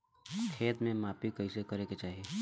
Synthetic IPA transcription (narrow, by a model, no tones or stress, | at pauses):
kʰeːt̪mẽmaːpikəisekəɾeket͡ʃaːɦie